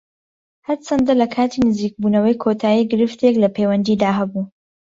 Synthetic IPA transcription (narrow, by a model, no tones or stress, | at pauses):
hɐɾt͡ʃʰɐnd̪ɐlɐkʰaːt̪ʰiːnɨziːk̚buːnɐwɐjkʰot̪ʰaːjiːɡɨɾɨft̪ʰeklɐpʰewɐnd̪iːd̪aːɦɐbuː